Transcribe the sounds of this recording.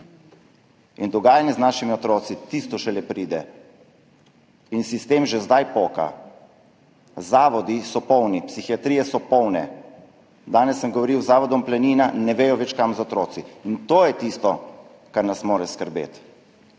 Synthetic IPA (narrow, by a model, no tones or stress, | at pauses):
ind̪ɔɡaːjanjɛznaːʃimiɔt̪ɾoːt̪sit̪ist̪ɔʃɛlɛpɾiːd̪ɛ | insist̪eːmʒɛzd̪ajpoːka̰ | zaːʋɔd̪isɔpɔwnipsixiat̪ɾiːjɛsɔpɔwnɛ | d̪aːnɛsːəmɡɔʋɔɾiwzaːʋɔd̪ɔmplɛniːnanɛʋeːjɔʋɛt͡ʃkamzɔɔt̪ɾoːt̪siːnt̪oːjɛt̪ist̪ɔ | kaɾnasmoːɾɛskəɾbḛːt̪